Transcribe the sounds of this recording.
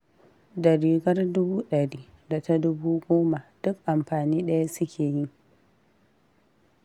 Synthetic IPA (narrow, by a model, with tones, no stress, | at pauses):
dɐ˨ɾiː˨ɡɐ˦rdʊ˦buː˦ɗɐ˨ɽiː˦ | da˨ta˦dʊ˦buː˦ɡʷoː˦ma˨d̥ʊ˦k̚ʔa˨mɸaː˨niː˦ɗɐ˦ja˦sʊ˦kʲʰeː˨ji˦